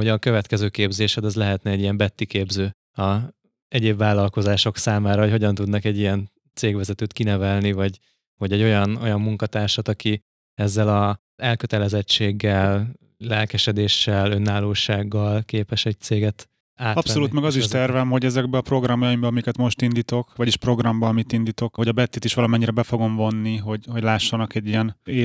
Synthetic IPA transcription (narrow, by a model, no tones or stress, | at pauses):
oɟɒkø̞vɛt̪kɛzøːkeːbzeːʃɛd̪ɒzlɛɦɛt̪nɛɛɟijɛmbɛt̪ːikeːbzøː | ɒ | ɛɟeːbvaːlɒlko̞zaːʃo̞ksaːmaːɾɒɦocho̞ɟɒnt̪ud̪nɒkɛɟːijɛn | t̪seːɡʋɛzɛt̪øːt̪kinɛvɛlnivɒɟ | vɒɟɛɟːo̞jɒno̞̰jɒmːuŋkɒt̪aːrʃɒt̪ɒki | ɛzːɛlɒ | ɛlkøt̪ɛlɛzɛt͡ʃːeːɡːɛl | lɛlkɛʃɛd̪eːʃːɛlønːaːloːʃaːɡːɒlkeːpɛʃɛc̚t̪seːɡɛt̪ | aːtɒpso̞luːt̪mɛɡɒziʃʃt̪ɛrvɛmɦo̞ɟɛzɛɡ̚bɛɒpro̞ɡrɒmjɒimbɒɒmikɛt̪mo̞ʃt̪ind̪iːt̪o̞kʋɒɟiʃpro̞ɡrɒmbɒɒmit̪ind̪iːt̪o̞kho̞ɟɒbɛt̪ːit̪iʃʋɒlɒmɛɲːiɾɛbɛfo̞ɡo̞mvo̞nːiɦo̞ɟho̞ɟlaːʃːɒnɒkɛɟːijɛneː